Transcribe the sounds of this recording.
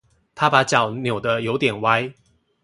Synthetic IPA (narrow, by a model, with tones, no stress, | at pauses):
t̪ʰa˦pa˨˦t͡ɕjɑ˨˩˦ʊnjo˨˩ʊd̪ə˦jo˨˧˦ʊt̪jɛ˨˩nwa˦ɪ